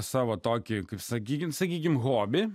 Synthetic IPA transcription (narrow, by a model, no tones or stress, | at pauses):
sɛʋɔt̪ɔkʲɪkɪsɛkʲisɛkʲik̬ʲɪmɦɔbʲɪ